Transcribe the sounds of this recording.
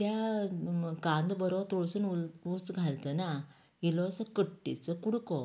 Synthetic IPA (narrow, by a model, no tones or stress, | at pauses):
t̪ja | kãnd̪bəɾɔt̪ɔɭsənuut͡sɡʱalt̪əna | ilɔsəkəʈːḭt͡səkuɽkɔ